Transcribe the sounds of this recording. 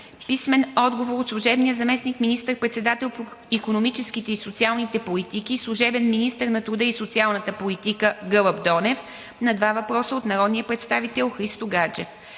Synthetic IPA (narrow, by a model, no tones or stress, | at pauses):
pismɛnɔd̪ɡovoɾot̪slˠuʒɛbnijəzɐmɛsnikminist̪əɾpɾɛt̪sɛd̪at̪ɛlˠpoikonomit͡ʃɛsk̟it̪ɛisot̪sialˠnit̪ɛpolit̪ik̟islˠuʒɛbɛnminist̪əɾnɐt̪ɾud̪əisot̪sialˠnət̪əpolit̪ikəɡɤlˠəbd̪ɔnɛf | nɐd̪vavɐpɾɔsəot̪nɐɾɔd̪nijəpɾɛt̪st̪avit̪ɛlˠxɾist̪oɡad͡ʒɛf